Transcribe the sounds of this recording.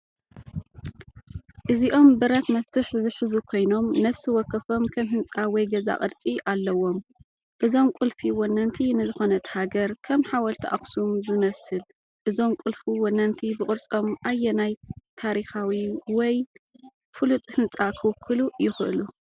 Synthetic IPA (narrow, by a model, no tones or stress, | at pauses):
ʔɨziʔo̞mbɨɾɐt̪mɐft̪ʰɨħzɨħɨzukʰo̞jno̞mnɐfsiwɔkʰːɐfo̞mkʰɐmɦɨnt͡sʼawɔjɡɐza̰qʼɨɾt͡sʼiʔalːɐwːo̞m | ʔɨzo̞mkʷʼʊlfiwɔnːɐnt̪ʰinɨzɨxo̞nɐt̪haɡɐɾkʰɐmħawɐlt̪ʰɐʔa̰xsumzɨmɐsɨl | ʔɨzo̞mkʼʊlfuwɔnːɐnt̪ʰibɨkʼɨɾt͡sʼo̞mʔajːɛnajt̪ʰaɾixawiwɔj | fɨlut̪ʼhɨnt͡sʼakʰɨwkʰːɨlujɪxɨʔɨlu